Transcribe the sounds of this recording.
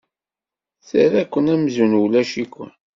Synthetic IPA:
səɾækʷːənæmzunulæʃikʷːə̰n

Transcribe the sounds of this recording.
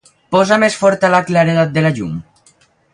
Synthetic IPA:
pɔzamesfɔɾt̪alaklaɾeðat̪̚d̪elaʎṵm

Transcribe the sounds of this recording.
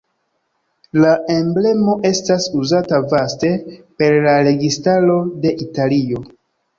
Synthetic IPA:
lae̞mble̞mo̞ʔe̞stasuzatavaste̞pe̞ɾlaɾe̞ɡistalo̞de̞ʔitalio̞

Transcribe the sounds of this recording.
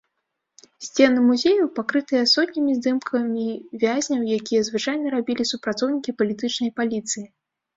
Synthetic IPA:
sʲt͡sʲɛnɨmuzʲejuwpakɾɨt̪ɨjɛsɔt̪ʲnʲimʲizd̪ɨmkʰɐmʲivʲazʲnʲɐwjakʲijɐzvɨt͡ʂajnɐɾabʲilʲisupɾat̪sɔwnʲikʲipɐlʲit̪ɨt͡ʂnɐjpalʲit̪sɨji

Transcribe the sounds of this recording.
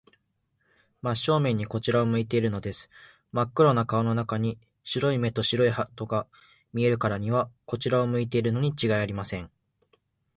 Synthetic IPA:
maɕo̞ːmẽ̞ɲ̟ːiko̞t͡ɕiɾaomɯ̟it̪e̞iɾɯ̟no̞d̪e̞sɨ̥ | makːɯ̟ɾo̞nakao̞no̞nakaɲ̟i | ɕiɾo̞ime̞t̪o̞ɕiɾo̞ihat̪o̞ɡa | mʲie̞ɾɯ̟kaɾaɲ̟iβako̞t͡ɕiɾaomɯ̟it̪̬e̞iɾɯ̟no̞ɲ̟it͡ɕiɡaiaɾʲimasẽ̞ŋ

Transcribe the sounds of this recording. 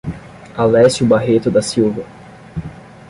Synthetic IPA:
alɛsʊbaɦet̪ʊd̪ɐsiwvɐ

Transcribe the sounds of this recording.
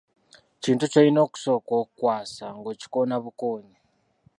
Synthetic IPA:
t͡ʃintut͡ʃainoku̥sokokwasaŋɡot͡ʃi̥konaβukoːni

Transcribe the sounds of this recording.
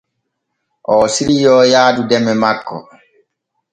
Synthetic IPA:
ʔɔːsiɾijɔːjaːdudɛmːɛmakːɔ̰

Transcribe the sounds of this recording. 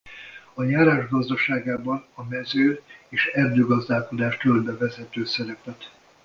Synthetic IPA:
ɒɲaːɾaːʒɡɒzd̪ɒʃaːɡaːbɒnɒmɛzøːeːʃɛrd̪øːɡɒzd̪aːlko̞d̪aːʃt̪ølbɛvɛzɛt̪øːsɛɾɛpɛt̪

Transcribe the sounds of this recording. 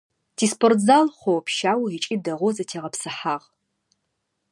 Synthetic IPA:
tʰiːspʰortʰzalχʷowpʰʃaːwɐʁit͡ʃʼiːdɐʁʷɔzɐtʰeːʁɐpsɨħaːʁ

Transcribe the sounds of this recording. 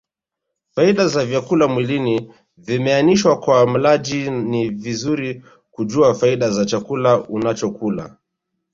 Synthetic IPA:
faiɗazavjakulamwilini | vimɛaniʃwakwam̩laʄinivizuɾi | kuʄuafaiɗazat͡ʃakulaunat͡ʃɔkula̰

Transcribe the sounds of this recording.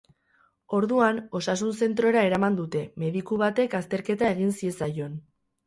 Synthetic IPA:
o̞ɾðuano̞sasuns̬e̞nt̪ɾo̞eɾae̞ɾamand̪ut̪e̞me̞ðikuβ̞at̪e̞kast̪e̞ɾke̞t̪ae̞ɣ̞insie̞sajo̞n

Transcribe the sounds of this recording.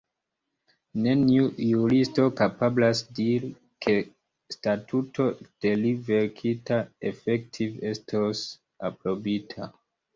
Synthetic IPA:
ne̞niujuɾisto̞kapablasdiɾi | kʰe̞ | statutʰo̞d̥e̞live̞ɾkʰitae̞fek̚tʰive̞stʰos | apɾo̞bitʰa

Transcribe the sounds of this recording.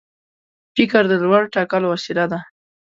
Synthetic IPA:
fɪkaɾd̪əlwaɽʈɑkalwasilad̪a

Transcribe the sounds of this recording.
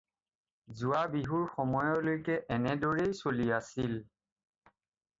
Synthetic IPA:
zuwabiɦuɹxɔmɔjɔlojkɛʔɛnɛdɔɹejsoliasil

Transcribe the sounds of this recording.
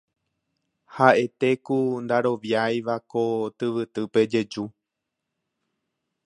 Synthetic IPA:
haʔe̞t̪e̞kund̪aɾo̞ʋjajʋako̞t̪ɨʋɨt̪ɨpe̞d͡ʒe̞d͡ʒu

